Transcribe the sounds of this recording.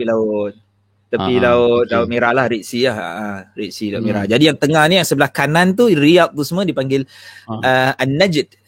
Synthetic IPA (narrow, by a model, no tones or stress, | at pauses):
ilaʊt̪̚ː | apilaʊt̪̚laʊt̪̚meɾahlahɾiʔsilaha̰ʔariʔsilaʊmeɾad͡ʒadijaŋt̪əŋahnijaŋsəbəlahkanant̪uriap̚t̪usəmə̃dipaŋɡɪləanːad͡ʒət̪̚